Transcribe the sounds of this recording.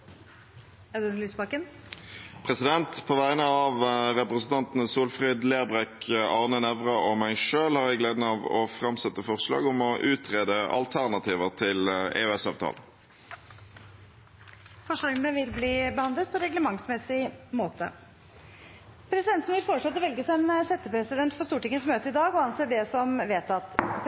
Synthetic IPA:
æd̪ʉnlyːsbɑkən | pʰʁɛsɪd̪ɛnt̪pʰoːʋæɪnəɑʋʁɛpʁəsn̩t̪ɑnt̪n̩əsuːlfʁɛːd̪leːʁbʁɛkʰɑʁnənɛʋʁɑɔmæɪʂøːlhɑʁjæɪɡleːd̪n̩ɑːʋɔ̰fʁɑmsɛt̪ːəfɔʁʂlɑ̰ːɡʊmɔʔʉːt̪ʰʁeːd̪əʔɑ̰lt̪ʰæʁnɑt̪ʰiːʋəʁt̪ʰɪlḛœɛsɑːʋt̪ʰɑ̰ːlə | fɔʂlɑːɡənəʋɪlbliːbəhɑnd̪lət̪̚pʰɔɾɛɡləmɑŋsmɛsɪmoːt̪ə | pʰɾɛsɪd̪ɛnt̪nəʋɪlfɔʂɭɔt̪ːɔʋɛlɡəsɛnsɛt̪ːəpɾɛsɪd̪ɛnt̪fɔɾst̪uːʈɪŋːəsmøːt̪əɪd̪ɑːɡɔɑnseːɖɛsɔmʋeːt̪ɑt̪

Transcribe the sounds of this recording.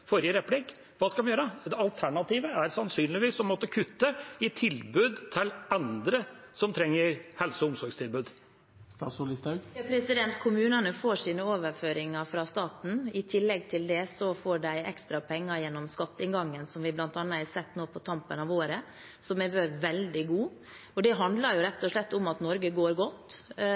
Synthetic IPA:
fɔɾɪəɾɛpʰlɪk | ʋɑːskɑlʋnjøːɾd̪ɛɑlt̪ʰæɳɑt̪ʰiːʋəæɾsɑnsyːnlɪʋiːsɔmɔt̪ːəkʰʉt̪ːəɪt̪ʰɪlbʉːd̪t̪ʰɪlɛnd̪ɾə | sɔmt̪ʰɾɛŋːəɾhɛlsɔʊmsɔɾɡst̪ʰɪlbʉːd̪ | st̪ɑːsʊlɪst̪ɑɡpʰɾɛsɪd̪ɛnt̪kʰʊmʉːnənəfoːʂiːnəoːʋəɾføːɾɪŋɑfɾɑst̪ɑːt̪n̩ɪt̪ʰɪlːɛɡ̚t̪ʰɪld̪ɛsɔfoːɖæɪɛ̰kst̪ɾɑpʰɛŋːɑjɛnːɔmskɑt̪ːɪnɡɑŋːənsɔmʋɪblɑnt̪ɑːnɑæsɛt̪ːnoːpʰɔt̪ʰɑmpənɑʋoːɾə | sɔmæʋøːɾʋɛld̪ɪɡuː | ɔd̪ɛɦɑnd̪lɑɾjʊɾɛt̪ːɔʂɭɛt̪ːʊmɑt̪nɔɾɡəɡoːɾɡɔt̪ː

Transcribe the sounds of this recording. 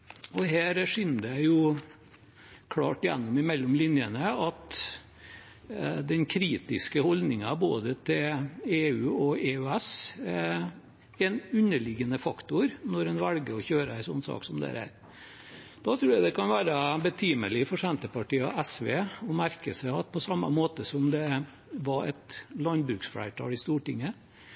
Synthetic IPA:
ɔɦæːɾʂɪnːd̪æjʊ | kʰlɑ̰ːʈɪjɛ̰nːɔmɪmɛlːʊmlɪnjənəɑt̪ | d̪ɛnkʰɾiːt̪ɪskəhɔld̪nɪŋɑbo̰ːd̪ət̪ʰɪleːʉːɔeːʉæs | ɛnʉnːəɭɪɡənəfɑkt̪ʊɾnɔɾɛnʋælɡəɔçøːɾəæɪsɔnːsɑ̰ːksɔmd̪æ̰ɾæ̰ːɾ | d̪̥ɑt̪ʰɾuːjæɪd̪ɛkʰɑnʋæːɾəbət̪ʰiːməlɪfɔʂɛnt̪əpɑʈḭːʔæsʋḛːɔmæɾkəsæɑt̪̚pʰɔsɑmːə̰moːt̪əsɔmd̪ɛ | ʋɑɛ̰t̪lɑnbɾʉːksfɽæ̰ɪʈ̪ʰɑ̰ːlɪst̪uːʈɪŋːə

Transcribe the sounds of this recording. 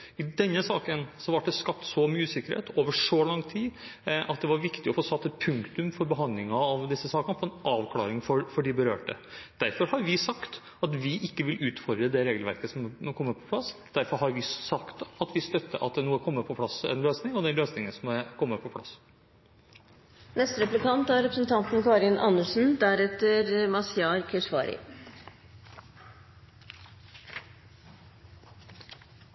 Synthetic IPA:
ɪd̪ɛnːəsɑːkənsɔʋɑʈ̚ɖ̪ɛskɑp̚t̪sɔmyːəsɪkːəɾhḛːt̪ʰoːʋəʂɔlɑŋːt̪ʰiːʔɑt̪̚d̪ɛʋɑɾʋɪkt̪ɪɔfoːsɑt̪ːɛt̪pʰʉŋkt̪ʉmfɔɾbəɦɑnd̪lɪŋɑɑʋd̪ɪsːəsɑːkənəfʰɔɛnʔɑːʋkʰlɑ̰ːɾɪŋfɔɾfɔɖɪbəɾø̰ːʈə̰d̪̥æɾfɔɾhɑɾʋɪsɑkt̪ | ɑt̪ʋɪʔɪkːəʋɪlʔʉːt̪fɔɾd̪ɾəd̪ɛɾeːɡəlʋæ̰ɾkəsɔmkʰɔmːəpʰɔ̥pʰlɑsd̪̥æɾfɔɾɦɑɾʋɪsɑkt̪ɑt̪ʋɪst̪œt̪ːə̰ʔɑt̪̚ɛnuːəkʰɔmːəpʰɔpʰlɑsɛ̰nløːsnɪŋɔd̪ɛløːsnɪŋəsɔmɛkʰɔmːəpʰɔpʰlɑ̰s | nɛst̪ɾɛplɪkɑnt̪æɾɾɛpɾəsn̩t̪ʰɑnt̪n̩kɑːɾɪnʔɑ̰nːəʂn̩d̪æɾɛt̪əɾmɑsɪɑːɾkʰəʂʋɑːɾɪ̰

